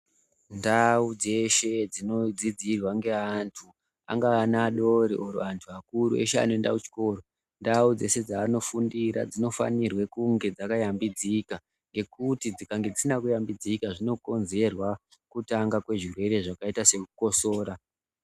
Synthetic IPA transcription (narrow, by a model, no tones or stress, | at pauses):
ndaud͡ze̞ʃe̞d͡zino̞d͡zid͡zirwaŋɡe̞antʰu | a̰ŋɡaːnaɗo̞ɾiʔoɾo̰antʰuakuɾue̞̰ʃea̰no̞enda̰kut͡ʃi̥ko̞ːro | ndaud͡ze̞se̞d͡zaːno̞fundiɾa̰d͡zino̞fa̰nirwe̞kuŋɡe̞d͡zakajambid͡zika | ŋɡe̞kutid͡zikaŋɡe̞d͡zisinakujambid͡zikaʐino̞ko̞nze̞rwa | kutaŋɡakwe̞ʐirwe̞ɾe̞ʐakaitase̞kuko̞soːɾa